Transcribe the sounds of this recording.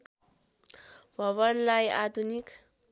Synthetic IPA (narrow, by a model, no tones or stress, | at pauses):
b̥ʱʌβʌnlajad̪ʱunik